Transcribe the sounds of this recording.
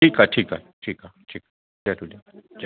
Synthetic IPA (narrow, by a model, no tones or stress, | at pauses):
ikaʈʰiːkaʈʰiːkaʈʰiːkḁ | iatuliad͡ʒ